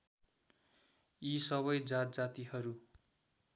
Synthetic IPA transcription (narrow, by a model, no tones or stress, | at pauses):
isʌβʌjd͡zat̪̚d͡zat̪ihʌɾu